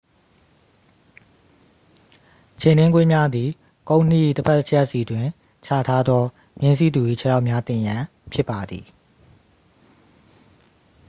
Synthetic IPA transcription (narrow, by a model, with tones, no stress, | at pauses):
t͡ɕʰẽ˨nɪ̃˦ŋkwe˦mja˦d̪i˨ | kõ˦ʊ̃n̥ḭ˦˨təpʰɛ˦ʔʰjɛ˦ʔsi˨twɪ̃˨ | t͡ɕʰa̰˦˨tʰa˦d̪ðɔ˦ | mɪ̃˦ns̬ḭ˦˨d̪u˨i˦˨t͡ɕʰə˦˨la˦ʊʔmja˦t̪ɪ̃˨jã˨ | pʰjɪ˦pːa˨d̪ḭ˨